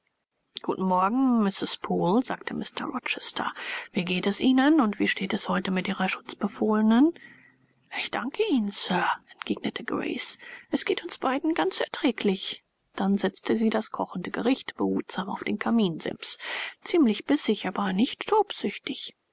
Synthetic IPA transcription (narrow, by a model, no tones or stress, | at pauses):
ɡ̥uːtn̩mɔɐɡŋ̩mɪsɪspʰoːlzaːktʰəmʔɪstʰɐ̰ʁɔt͡ʃɛstʰɐ̰v̥iːɡeːtɛsʔiːnənʊntv̥iːʃteːtɛshɔʏtəmɪtʔiːʁɐʃʊ̥t͡sb̥əfoːlənən | ʔɪçd̥aŋkʰəiːnənsœːɐʔɛntɡ̥eːɡnətʰəɡʁḛɪsʔɛsɡ̥eːtʊnsb̥aɪdn̩ɡant͡sɛɐtʁ̥ɛːklɪç | d̥anzɛt͡stʰəziːdaskʰɔχn̩dəɡəʁɪçtb̥əhṵːtz̥aːmaʊfd̥eːnkʰamiːnzɪ̰mpst͡siːmlɪçb̥ɪsɪçaːbɐnɪçtʰːoːpz̥ʏçtɪç